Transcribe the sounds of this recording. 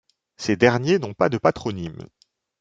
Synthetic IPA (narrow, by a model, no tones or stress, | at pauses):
sed̪ɛʁnjenɔ̃pad̪əpat̪χɔnim